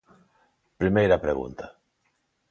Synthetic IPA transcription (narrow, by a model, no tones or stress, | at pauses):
pɾimejɾɐpɾḛɣṵnt̪ɐ